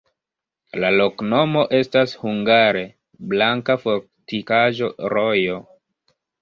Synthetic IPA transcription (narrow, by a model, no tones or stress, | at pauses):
lalo̞kno̞mo̞ʔe̞stashuŋɡaɾe̞ | blaŋkafo̞ɾ | tikaʒo̞ɾo̞jo̞